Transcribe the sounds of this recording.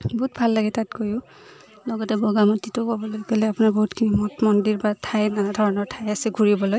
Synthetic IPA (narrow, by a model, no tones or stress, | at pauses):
bɔɦut̚bʱalːaɡɛtatkojʊ̃ | lɔɡɔtɛbɔɡamɔtitʊkɔbɔlojkɔlɛapʊnaɹbɔɦutkʰinimɔtmɔndiɹbatʰajnadʱɔɹɔnɔɹtʰajasɛɡʱuɹibɔloj